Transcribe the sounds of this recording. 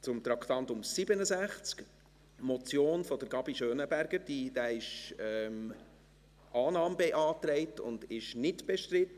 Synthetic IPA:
t͡sʊmt̪ɾɑkt̪ɑnt̪ʊmsɪbənəsæχt͡sk | mɔt͡sjoːnfɔd̥əɾɡ̥ɑbiʃøːnəbæɾɡ̥əɾd̥id̥̪æːɪʃɛm | ʔɑːnɑːmbɛʔɑːtɾɛɪt̪ʊ̰nd̥ɪʃnɪtb̥ɛʃtɾɪt̪ə

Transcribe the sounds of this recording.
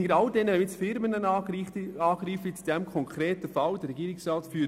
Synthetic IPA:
ɡəɾɑldɛnːəɛmɪt͡sfɪɾmənə | ɑːɡ̥ɾiːfət͡sud̥ɛmkʰɔŋkʰɾeːtəfɑldɛɾɛɡiːɾɪksrɑːtfyː

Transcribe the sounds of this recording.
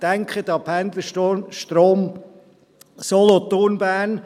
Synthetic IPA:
d̥æŋkʰχətɑphænd̪ləʃtoʃtɾoːm | solɔt̪onbæːn

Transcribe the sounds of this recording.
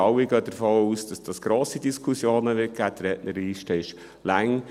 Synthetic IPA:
ɑwiɡœːd̥̪əɾfoːuːsd̥ɑsd̥ɑsɡ̥ɾoːsidiskʰusjoːnəʋɪt̚ɡ̥æːdɾɛːʔnəɾiːʃtəɪʃ | læŋ

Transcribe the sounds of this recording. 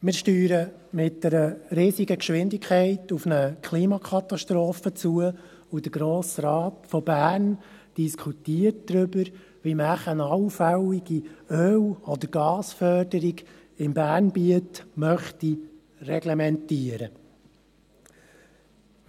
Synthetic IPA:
mɪːɾʃtyːɾə | mɪt̚d̥ɛɾəɾiːsiɡəkʃʋɪndikʰχɛɪtufnəkʰliːmɑkʰɑt̪ɑʃtɾoːfət͡suə | ud̥əɡ̥ɾoːsɾɑːtfɔbæːn | d̥iskʰutiːət̚d̪̥ɾʏbəɾ | ʋimæχənɑwfæwiɡ̥iøːwɔd̪əɾɡ̥ɑːsfœrd̥əɾiɡ | ɪmbæːrnbiətmœχti | rɛɡlɛmɛntiəɾə

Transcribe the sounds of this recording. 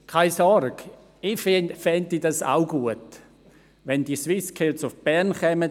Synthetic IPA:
kʰaɪsɔɾɡ̥ | ɪfnfɛntidɑsa̰ʊɡ̥uət | ʋɛnd̥iswɪskʰɛlsʊfb̥ɛʁnχɛmə

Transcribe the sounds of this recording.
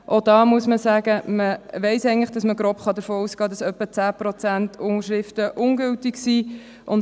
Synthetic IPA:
ʔod̥ɑːmuəsməsæːɡ̥əməʋɛɪsɛɪŋlɪχd̥ɑsməɡɾoːpχɑdəfoːuːsɡ̥ɑːdɑsœpːət͡sæːpɾɔt͡sæntʰʊŋəʃɾɪftəʔʊŋɡʏltɪksi | ʔʊn

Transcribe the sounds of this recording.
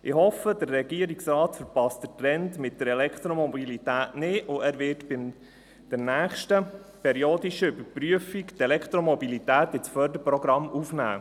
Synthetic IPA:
ʔɪhɔfədərːɛɡ̥iəɾiksɾɑːtfəɾpɑstdətɾɛntmɪt̚d̥əɾɛlɛkχt̪ɾomɔbilit̪æːtnɪʊæːɾʋɪtbɪm | d̥ɛɾnæːχʃtə | pʰɛɾioːdiʃəʏbəɾpɾyəfiktɛlɛkt̪ɾomɔbilitæːt̪ɪt͡sfœːɾdəɾpɾɔɡɾɑmufnæ̰ː

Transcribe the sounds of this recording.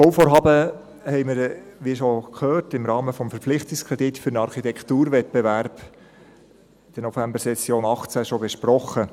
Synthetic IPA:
fɔwfoːɾɦɑːbə | hɛɪməɾʋiʃokʰøːrtɪmɾɑːməfɔmfəɾpp͡flɪχt̪ɪkskʰɾɛd̥itfʏɾnɑɾχitɛkχtuːɾʋɛt̚b̥eʋæɾb | d̥ənɔfæmbəɾsɛsjoːnɑχt͡sæʃɔbɛʃpɾɔχə

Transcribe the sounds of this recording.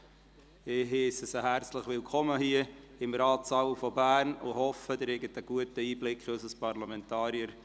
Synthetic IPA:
ɪɦeːsəsəɦæɾt͡sləχʋɪlkʰɔməɦhiəɪmɾɑːtsɑwfɔbæːrnʊhɔfəd̪əɾɛɡətəɡ̥uətəiːblɪkχøsəspɑrlɑmɛntɑːɾiəɾ

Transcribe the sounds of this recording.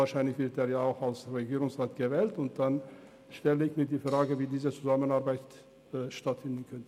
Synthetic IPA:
aːɐʃaɪnlɪçv̥ɪɐteːjaːaʊxalsʁeɡiːʁʊŋsʁaːtɡ̥əvɛːltʊnt̚d̥an | ʃtɛləɪçmiːɐdiːfʁ̥aːɡəviːdiːzət͡suzamənaɐʁbaɪt | ʃtatfɪndn̩kʰœntə

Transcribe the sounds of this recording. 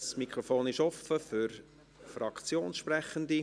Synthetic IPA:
smikχɾofoːnɪʃɔfəfʏɾ | frɑkt͡sjoːnsʃprɛχənd̪i

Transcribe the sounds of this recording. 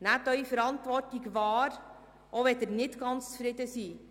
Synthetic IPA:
nætœʏfəɾɑntʋɔrtiɡvɑːɾ | ʔoʋɛt̪ərnɪtɡ̥ɑnt͡st͡sfɾɪdəsi

